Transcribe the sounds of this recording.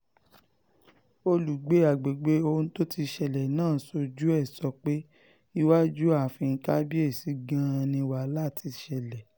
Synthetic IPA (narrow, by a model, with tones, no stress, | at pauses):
o˧lu˨ɡ͡be˨˦a˨ɡ͡be˨ɡ͡be˨˦o˧n̩˦to˦ti˧ʃɛ˨lɛ˨nãː˦˨˦so˧d͡ʒu˦ɛ˦˨sɔ˨˦k͡pe˦ | i˦wa˦d͡ʒu˦a˦˨fĩ˧ŋ̩˦ka˦bi˦e˦˨si˨˦ɡã˦˧nĩ˧wa˨la˦˨ti˧ʃɛ˧lɛ˨